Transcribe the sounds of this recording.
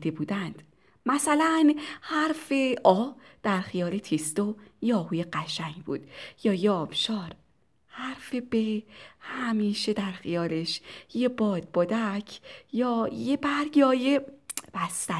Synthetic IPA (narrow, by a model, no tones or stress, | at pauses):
d̪ebuːd̪ænd̪̥ | mæsælænhæɾfe̞ʔɒːd̪̥æɾxijɒːle̞t̪ʰist̪ojeɒːhuːje̞ɢæʃæŋɡbuːd̪̥jɒːjeɒːb̥ʃɒːɾ | hæɾfe̞behæmiːʃe̞d̪æɾxijɒːle̞ʃjebɒːd̪̥̚bod̪æcʰjɒːjebæɾɡjɒːjeb̥æst̪æ